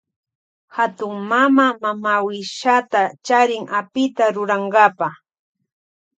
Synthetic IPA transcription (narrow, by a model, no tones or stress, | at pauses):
hat̪ʊŋmamamamawɪʃat̪at͡ʃaɾɪŋapɪt̪aɾʊɾaɴɡapaχ